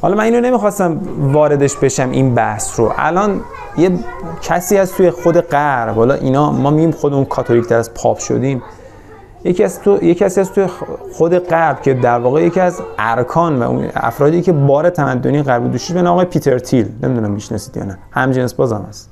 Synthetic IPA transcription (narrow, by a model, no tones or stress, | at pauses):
hɒ̰lɒmæniːnone̞mixɒːst̪æmvɒːɾe̞d̪e̞ʃbe̞ʃæmʔḭnbæhsɾo̰ʔæ̰lɒːn | jecʰæsiːhæst̪t̪ʰujexod̪e̞ɢæɾbhɒːlɒ̰ːʔḭːnɒːmɒːmiɟiːmxod̪emunkʰɒːt̪ʰoɾict̪ʰæɾæzpʰɒ̰ːpʰʃo̰d̪iːm | jecʰiæst̪ʰjecʰæsiːhæst̪ʰujexod̪e̞ɢæɾbcʰe̞d̪æɾvɒːɣeje̞cʰiæzæɾkʰɒːnvæ̰ʔṵnæ̰fɾɒːd̪iːcʰe̞bɒːɾet̪ʰæmæd̪ːoniːeɣæɾbuld̪uʃid̪benɒːmɣpʰiːt̪ʰe̞ɾt̪ʰilnemid̪unæmːiʃnɒ̰siːd̪̥jɒ̰ːnæhæmd͡ʒensbɒːzæmhæs